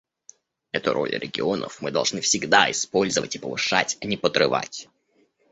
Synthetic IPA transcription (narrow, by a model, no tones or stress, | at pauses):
ɛt̪ʊɾʔo̞̰lʲɾʲʔɪɡʲɪo̞nə̰fmɨd̪ɐlˠʐnɨfsʲɪɡd̪aɪspo̞lʲzəvətʲɪpəvɨʂatʲɐnʲɪpət̪ɾɨva̰tʲ